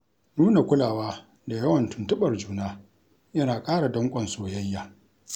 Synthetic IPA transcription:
nuː˦na˨kʷʊ˦laː˨waː˦ | da˨jɐ˦wɐ˨ntʊ˨ntʊ˦ɓɐ˨rd͡ʒuː˦naː˦ | jɐ˦naː˨kʼaː˦ɽa˨dɐ˦ŋkʷʼɐ˨nsoː˨jɐ˦jːaː˨

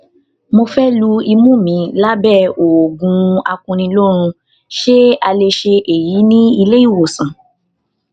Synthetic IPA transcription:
mo˧fɛ˦lu˧i˧mũ˦mĩ˨˦la˦bɛ˦˨o˨wo˨ɡũ˧˦a˧kũ˧nĩ˧lo˦ɾ̃ũ˧ | ʃe˦a˧le˧ʃe˧ʔe˨ji˨˦nĩ˦i˧le˦i˦˨wo˨sã˨

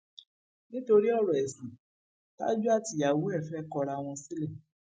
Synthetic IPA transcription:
nĩ˦to˧ɾi˦ɔ˦˨ɾɔ˨ɛ˨sĩ˨ | ta̰˦d͡ʒu˦a˦˨ti˧˨a˨wu˨˦ɛ˦˨fɛ˨˦kɔ˧ɾa˧w̃ɔ̃˧si˦lɛ˦˨

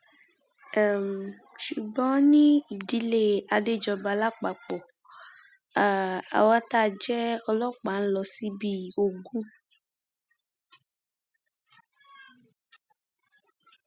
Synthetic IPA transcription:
m | ʃu˨bɔ̃˦nĩ˦˨di˨˦le˨a˨de˦d͡ʒɔ˨ba˨la˦k͡pa˨k͡pɔ˨ | a̰˨wa˦t̪a˦˨d͡ʒɛ˦ɔ˦lɔ˦k͡pa˨˦n̩˦lɔ˨si˦bi˦˨o˨ɡu˦

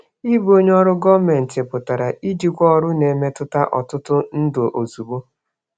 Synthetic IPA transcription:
i˦bo˦ɲ˦ɔ˦ɾʊ˦ɡɔ˦me˨n̩˨tɪ˨pʊ˨ta˨ɾa˨ʔi˦d͡ʒi˦kʷɔ˦ɔ˦ɾʊ˦ne˨me˦tʊ˦ta˦ʔɔ˨tʊ˦tʊ˦n̩˦dʊ˨ʔo˨zu˨bo˦

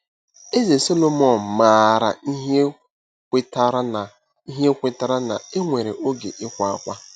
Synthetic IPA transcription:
e˦ze˨so˦lo˦mɔ˨n̩˨maː˨ɾa̰˨i˦ɦe˦ | kʷe˦ta˦ɾa˦n˨ | i˦ɦe˦kʷe˦ta˦ɾa˦na̰˨e˦ŋʷe˨ɾe˨ʔo˦ɡḛ˨ʔɪ˦kʷa˦kʷa˦

